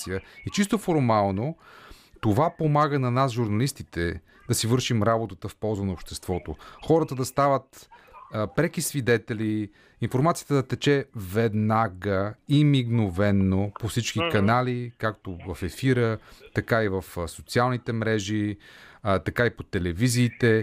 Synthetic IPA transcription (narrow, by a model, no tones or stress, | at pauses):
sijəit͡ʃist̪ofoɾmalˠnot̪ovapomaɡənɐnasʒuɾnɐlist̪it̪ɛ | d̪ɐsivɤɾʃimɾabot̪ət̪əfpɔlˠzənɐopʃt̪ɛst̪vɔt̪oxɔɾət̪əd̪ɐst̪avət̪ː | pɾɛk̟isvid̪ɛt̪ɛli | infoɾmat̪sijə̥t̪əd̪ɐt̪ɛt͡ʃɛvɛd̪naɡəimiɡnovɛnːopofsit͡ʃk̟ikɐnalikakt̪ovɐfɛfiɾət̪ɐkaivəfsot̪sialˠnit̪ɛmɾɛʒi | t̪ɐkaipot̪ɛlɛviziːt̪ɛ